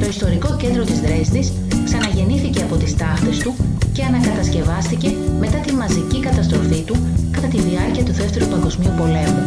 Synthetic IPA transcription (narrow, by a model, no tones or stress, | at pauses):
t̪o̞ist̪o̞ɾiko̞cend̪ɾot̪izðɾe̞st̪is | ksɐnɐʝe̞niθice̞ɐpo̞t̪ist̪ɐxt̪e̞st̪uce̞ɐnɐkɐt̪ɐsce̞vɐst̪ice̞me̞t̪ɐt̪imɐzicikɐt̪ɐst̪ɾo̞fit̪ukɐt̪ɐt̪iðiɐɾciɐt̪uðe̞ft̪e̞ɾupɐŋɡo̞zmiupo̞le̞mu